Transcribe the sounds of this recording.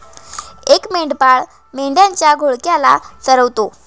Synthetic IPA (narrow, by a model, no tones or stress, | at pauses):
ekmeɳɖpaɭ | meɳɖjãɲt͡ɕjaɡʱoɭkjala̰səɾəʋt̪o